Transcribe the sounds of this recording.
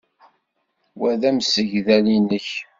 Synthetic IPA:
wæðæmsəʝðælinəç

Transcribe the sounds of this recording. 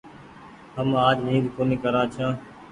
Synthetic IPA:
ɦəmaːd͡ʒnĩːd̪koːnĩːkəɾãːt͡ʃʰãː

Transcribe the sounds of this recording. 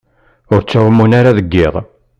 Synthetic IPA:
ʊɾt͡sːæwəmːunaɾaðəɡːɪʁˤ

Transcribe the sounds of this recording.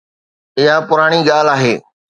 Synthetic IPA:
ɪɦapʊɾaːɽ̃iɡaːlaːɦeː

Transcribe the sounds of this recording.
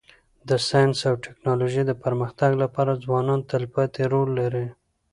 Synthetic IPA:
d̪əsɑjnsawʈɪknɑloʒid̪əpəɾməxt̪aɡlapɑɾad͡zwɑnɑnt̪əlpat̪eɾolːaɾi

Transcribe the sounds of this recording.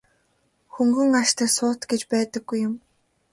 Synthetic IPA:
xuŋɡɵ̆ŋaʃt̪æːsʊːt̪ɡet͡ɕpæːt̪ə̆ɡ̥ːujːʊm

